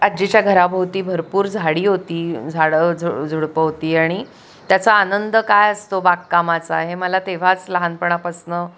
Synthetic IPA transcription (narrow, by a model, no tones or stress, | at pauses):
ad͡ʑet͡ɕjaɡʱəɾabʱəwt̪iːbʱəɾpuːɾd͡zʱaɽiːɦot̪iːd͡zʱaɭəd͡zʱod͡zʱuɽpəɦot̪iːaɽ̃i | t̪jat͡saːnənd̪əkajəst̪obakkamat͡saɦeməlat̪eʋ̤at͡sləɦanpəɳ̃apəsnə